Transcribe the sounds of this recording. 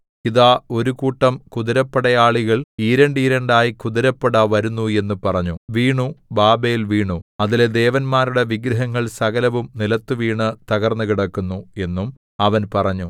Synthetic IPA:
kiðaːo̞ɾukuːʈːɐmkuðɐɾɐpːɐɽɐjaːɭiɣɐɭiɾɐɳɖiɾɐɳɖaːjikuðɐɾɐpːɐɽɐʋɐɾunːue̞nːupɐrɐɲːuʋiːɳubaːbejilʋiːɳuɐðiled̪e̞ːʋɐnmaːɾuɽe̞ʋiɡɾɐɦɐŋːɐɭsɐɣɐlɐʋumnilɐt̪ːuʋiːɳɨt̪ɐɣɐrnːukiɽɐkːunːue̞nːum | ɐʋɐnpɐrɐɲːu

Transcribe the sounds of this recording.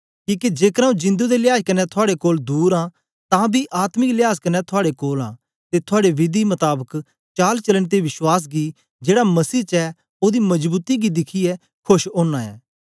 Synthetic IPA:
kiːkid͡ʒeːkɾaːũd͡ʒɪ̃nd̪ud̪elɪjaːskɐnːɛt̪ʰʊaːɽekoːld̪uːɾã | t̪ãbʱiʔaːt̪mɪklɪjaːskɐnːɛt̪ʰʊaːɽekoːlã̰ː | t̪et̪ʰʊaːɽeʋɪd̪imɐt̪aːbək | t͡ʃaːlt͡ʃɐləɽt̪̬eʋɪʃwaːs̬ɡi | d͡ʒeːɽamɐsiːt͡ʃɛ | oːd̪imɐd͡ʒbuːt̪iɡid̪ɪkʰiɛ | kʰʊʃoːnaɛ̰ː

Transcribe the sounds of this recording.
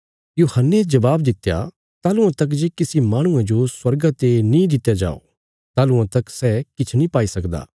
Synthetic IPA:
joːhənːed͡ʒɐbaːbd̪ɪt̪ːja̰ | t̪aːlʊãt̪ɐk̬d͡ʒeːkɪsimaːɽ̃ʊ̃ãd͡ʒoswɐɾɡat̪enĩd̪ɪt̪ːjad͡ʒa̰ːo̰ | t̪aːlʊ̃ãt̪ɐksɛːkɪt͡ʃʰnĩpaːisɐkd̪a̰ː

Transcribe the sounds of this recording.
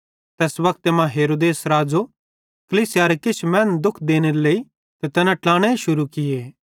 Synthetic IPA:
t̪ɛːsʋɐkt̪emãɦeːɾoːd̪eːsɾaːd͡ʒo | kɐliːsɪjaɾekɪt͡ʃʰmɛ̃ːnd̪ʊkʰd̪eːñeɾeleːi | t̪et̪ɛnãʈlaːɽ̃eʃʊɾukɪjeː

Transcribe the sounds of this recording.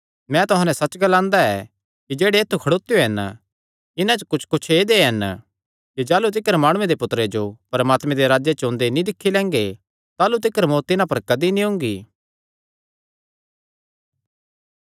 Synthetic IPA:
mɛ̃t̪ʊɦãnɛ̃sɐt͡ʃɡɐlãːnd̪aɛ̰ | kid͡ʒeːɽeːt̪ʰːukʰɐɽoːt̪ːejoɦɐn | ɪnãt͡ʃokʊt͡ʃʰkʊt͡ʃʰeːd̪eɦɐn | kid͡ʒaːlut̪̬ɪkəɾmaːɽ̃ʊ̃ẽd̪epʊt̪ɾed͡ʒopɐɾmaːt̪mɛ̃d̪eɾaːd͡ʒjet͡ʃõːnd̪enĩd̪ɪkʰːilɛ̃ːŋɡe | t̪aːlut̪̬ɪkəɾmot̪ɪnãpɐɾkɐd̪inĩɦʊ̃ːŋɡiː

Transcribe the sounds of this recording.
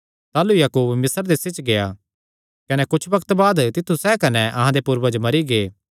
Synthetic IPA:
t̪aːlujaːkuːbmɪsəɾd̪esɪt͡ʃɡeja | kɐnɛkʊt͡ʃʰʋɐkə̥t̪baːd̪t̪ɪt̪ʰːusɛkɐnɛʔɐɦãd̪epuːɾbad͡ʒomɐɾiɡeː

